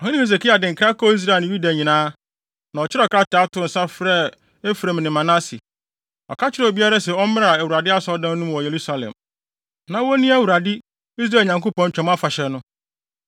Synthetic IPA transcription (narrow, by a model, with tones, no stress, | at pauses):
ɔ˨hĩ˦nɪ̃˦he˨s̬e˨ki˦a˨dɪ̃˨ŋ̩kʰɾa˦kʰɔ˦i˦s̬ɾa˦˨ñ˨ju˦da˨ɲĩ˨nãː˦ | nã˨ɔ˨t͡ɕʰɪ˦ɾɛ˦˨kʰɾa˦tʰa˦tʊ̃˨n̩˨sa˦fɾɛ˦ | e˦fɾã˨m˨nɪ̃˨mã˨nã˦si˨ | ɔ̰˨kʰa˦t͡ɕʰɪ˦ɾɛ˦˨ɔ˨bi˦a˦ɾa˦sɛ˨ɔ˦mɪ̃˦a˨æ˨wu˨ɾa˨dɪ˦a˦sɔ˦ɔ˦dã˦n˦nũ˦m˦wɔ˨je˨ɾu˦sa˨lɛ̰̃˨m | nã˨wɔ˦nĩ˦æ˦˨wu˨ɾa˨dɪ˦ | i˦s̬ɾa˦˨lɲã˨ŋko˦pɔ̃˨ɲ˨t͡ɕᶣɛ̃˨m˦a˦fa˨ɕɛ˨nʊ̃˦